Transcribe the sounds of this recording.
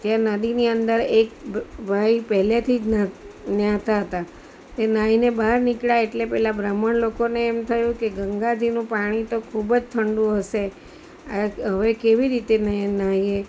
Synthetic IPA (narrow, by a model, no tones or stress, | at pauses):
t̪janəd̪iniənd̪əɾekbʱaipəɦlet̪ʰid͡ʒnanjãt̪aɦət̪a | t̪enainebaɦɾnikɭaeʈlepɛɦlabɾaməɳlokoneːmt̪ʰəjũkeɡəŋɡad͡ʒinũpaɽ̃it̪okʰubd͡ʒt̪ʰəɳɖũɦəʃe | aɦəʋekeʋiɾit̪enənaɦie